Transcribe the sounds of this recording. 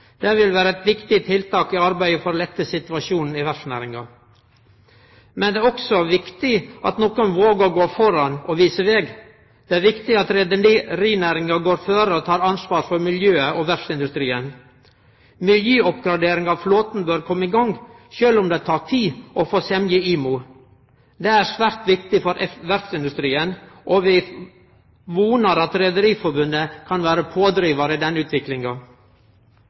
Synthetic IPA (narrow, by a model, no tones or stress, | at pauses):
d̪̥ɛʋɪlʋæːɾəɛt̪ʋɪkt̪ɪt̪ʰɪlt̪ʰɑːkɪɑɾbæɪəfɔɾlɛt̪ːəsɪt̪ʋɑʃuːnn̩ɪʋæʂnæ̰ːɾɪŋɑ | mɛnd̪ɛːɔksɔʋɪkt̪ɪʔɑ̰t̪noːkɔnʋoːɡəɾɡoːfɔɾɑnɔʋiːsəʋɛɡ | d̪̥ɛːæːɾʋɪkt̪ɪɑt̪ɾɛd̪əniɾiːnæːɾɪŋɑɡoːɾføːɾəɔt̪ʰɑːɾɑnsʋɑːɾfɔɾmɪljøːəʔɔʋæɾʂɪnd̪ʉst̪ɾiːən | mɪljyːɔpɡɾɑd̪eːɾɪŋɑʋfloːt̪n̩bøːɾkʰɔmːəɪɡɑŋɡʃøːlʊmd̪eːt̪ʰɑːɾt̪ʰiːʔɔfoːsɛmjəiːmuː | d̪eːæɾsʋæːɾt̪ʋɪkt̪ɪfɔɾʔɛʋæɾfsɪnd̪ʉst̪ɾiːənʔɔʋɪ | ʋuːnəɾɑt̪ɾɛd̪əɾiːfɔɾbʉnːəkʰɑnʋæːɾəpʰoːd̪ɾiːʋɑɾəɪd̪ɛnːʉːt̪ʰʋɪklɪŋɑ